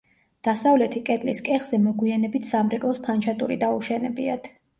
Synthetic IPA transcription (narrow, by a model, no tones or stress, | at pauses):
d̪̥asavlɛt̪ʰikʼɛt̪ʼliskʼɛχz̥ɛmɔɡwianɛbit̪ʰsamɾɛkʼlˠɔspʰant͡ʃʰat̪ʼṵɾḭd̪auʃɛnɛbiat̪ʰ